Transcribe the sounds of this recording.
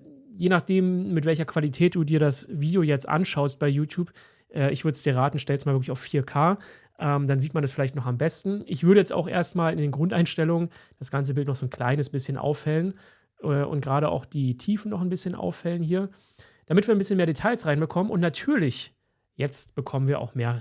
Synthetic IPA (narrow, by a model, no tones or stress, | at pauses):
jeːnaχd̥eːmːɪtv̥ɛlçɐkv̥alitʰɛːt̚d̥uːdiːɐɾasviːdjojɛt͡stʔa̰nʃaʊst̚b̥aɪjuːtʰjuːp | ʔɛːɪçv̥ʏɐdəsd̥iːɐʁaːtn̩ʃtɛlstmaːlvɪɐklɪçaʊfːiːɐkʰaː | ʔɛːmd̥anziːtmandasfɪlaɪçtnɔχambɛstn̩ʔɪçv̥ʏɐɾəjɛt͡sta̰ʊxʔḛːɐstmaːlɪndeːnɡʁʊntʔaɪnʃtɛlʊŋənd̥asɡ̥ant͡səbɪltnɔχz̥oːnkʰl̥a̰ɪnəsb̥ɪsçənʔa̰ʊfhɛlən | ʔɛːʔʊ̰nt̚ɡ̥ʁaːɾəʔa̰ʊxd̥iːtʰiːfn̩nɔχnbɪsçənʔa̰ʊfhɛlənhiːɐ | d̥amɪtv̥iːɐnmbɪsçənmeːɐdetʰaɪlsʁaɪnbəkʰɔmənʔʊ̰ntnatʰyːɐlɪç | jɛt͡st̚b̥əkʰɔmənviːɐʔa̰ʊxmeːɐ